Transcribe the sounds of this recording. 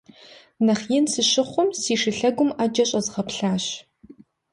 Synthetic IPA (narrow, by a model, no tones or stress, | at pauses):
nɐχjɪnsɨɕɪχʷʊmsiːʂɪɬɐɡʷʊmad͡ʒɐɕʼɐzʁɐpɬaːɕ